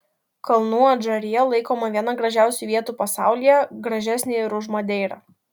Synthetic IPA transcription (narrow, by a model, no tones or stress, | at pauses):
kɐlˠnuːɐd͡ʒɐɾʲɪjɛlˠɐɪkoːmɐʋʲiɛnɐɡɾɐʒʲæˑʊsʲuːʋʲiɛt̪uːpɐsɑˑʊlʲijɛɡɾɐʒʲæsʲnʲeɪɾʊʒmod̪ʲɛɪɾɑ̰